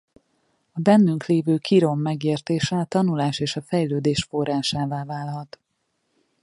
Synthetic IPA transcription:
ɒbɛnːyŋkleːvøːkʰiɾo̞mːɛɡeːrt̪eːʃɛɒt̪ɒnulaːʃeːʃɒfɛjløːd̪eːʃfo̞rːaːʃaːvaːvaːlɦɒt̪

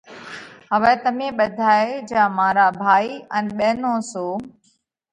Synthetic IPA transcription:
ɦəʋɛːt̪əmẽːɓəd̪ʱaːeːd͡ʒaːmãːɾaːbʱaːiːənɓeːnõːsoː

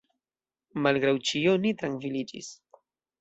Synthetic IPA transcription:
malɡɾawt͡ʃionitɾaŋkvilid͡ʒḭs

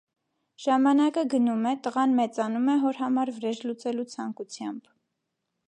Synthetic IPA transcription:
ʒ̥ɑmɑnɑkəɡənumɛt̪əʁɑnmɛt͡sɑnumɛɦɔɾɦɑmɑɾvəɾɛʒlut͡sɛlut͡sʰɑŋkut͡sʰjɑmb̥

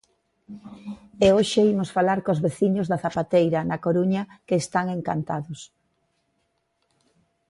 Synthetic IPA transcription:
eoʃeimosfalaɾkozβeθiɲʊzðɐθapat̪ejɾɐnɐkoɾuɲɐkeːst̪aŋeŋka̰nt̪aðʊs

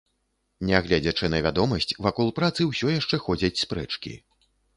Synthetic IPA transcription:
nʲɛaɣlʲad͡zʲɐt͡ʂɨnɐvʲad̪ɔmɐsʲt͡sʲvakɔlˠpɾat̪sɨwsʲɔjaʂt͡ʂɛxɔd͡zʲɐt͡sʲspɾɛt͡ʂkʲḭ

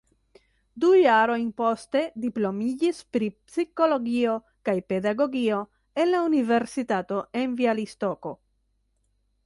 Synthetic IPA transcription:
dujaɾo̞jnpo̞ste̞diplo̞mid͡ʒispɾipsiko̞lo̞ɡio̞ | kajpe̞daɡo̞ɡio̞ | e̞nlaunive̞ɾsitato̞ʔe̞nvialisto̞ko̞

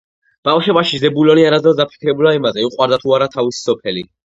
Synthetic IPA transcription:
b̥avʃɛbaʃizɛbulɔniaɾad̪zɔd̪apʰi̥kʰɾɛbulaimazɛiqʼwaɾd̪at̪ʰuaɾat̪ʰavisi̥sɔpʰɛli

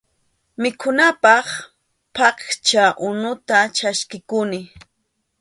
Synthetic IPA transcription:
mɪkʰʊnapɑχ | pɑkt͡ʃaʔʊnʊt̪at͡ʃaskɪkʊnɪ

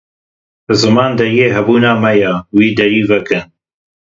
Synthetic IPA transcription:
bɨzɨmɑːnd̪ɐɾjeːɦɛbuːnaːmɛjawiːd̪ɐɾiːvɨkɨn

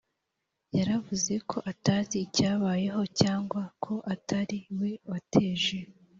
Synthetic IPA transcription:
jaɾavuze̞kʰo̞ʔataːziːcaːβaːje̞ɦo̞caːŋɡwakʰo̞ʔataɾiwe̞watʰe̞ːʒe̞

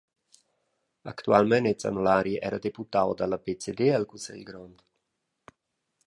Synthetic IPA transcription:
a̰kt̪ualmɛnet͡sa̰nolaɾiʔɛ̰ɾad̪eput̪awd̪alabet͡sed̪eɛlkusɛ̰lɡɾɔnd̪

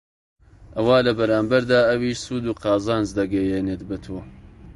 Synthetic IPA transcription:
ʔɐwaːlɐbɐɾaːmbɐɾd̪aːɐwiːʃsuːd̪uːqɑːzaːnzd̪ɐɡɛjeːneːt̪bɐt̪ʰoː

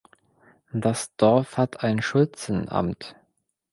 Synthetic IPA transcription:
d̥asd̥ɔɐfhatʰaɪnʃʊlt͡sn̩ʔa̰mt

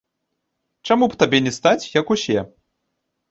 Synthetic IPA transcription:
t͡ʂamupt̪abʲɛnʲɛst̪at͡sʲjɐkusʲɛ

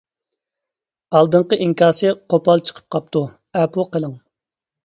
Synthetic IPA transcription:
ɑlˠd̪ɨɴqəʔiŋkʲʰɑːsɨqʰopɑlˠt͡ʃʰə̥qʰə̥p̚qʰɑp̚t̪ʰu | ɛpʰuqəlˠəŋ

